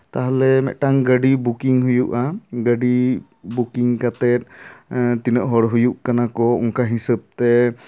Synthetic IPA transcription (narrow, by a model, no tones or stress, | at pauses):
t̪aɦalɛmɛ̰ʔʈaŋɡəɖibukiŋɦujuʔaɡəɖi | bukiŋkat̪ɛt̪̚t̪inəʔɦɔɽɦujuʔkanakɔṵŋkaɦisəb̚t̪ɛ